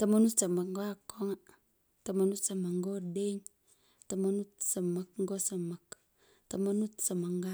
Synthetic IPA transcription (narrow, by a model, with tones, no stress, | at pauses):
ta˨ma˦nu˦tsa˨ma˨kŋ̩˦ɡo˦a˦kːo˦ŋa˦ | ta˨ma˨nu˦tsa˨ma˨kŋɡo˦de˦ɲ | ta˨ma˦nu˦tsa˨ma˨kŋ̩˦ɡo˦sa˨ma˨k | ta˨ma˦nu˦tsa˨ma˨ŋɡa˦